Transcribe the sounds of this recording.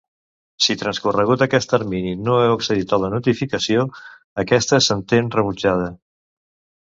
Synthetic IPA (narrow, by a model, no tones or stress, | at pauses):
sit̪ɾənskurəɣut̪əkɛst̪əɾmininoɛwəksəðit̪ələnut̪ifikəsio | əkɛst̪əsənt̪enrəβud͡ʒað̞ə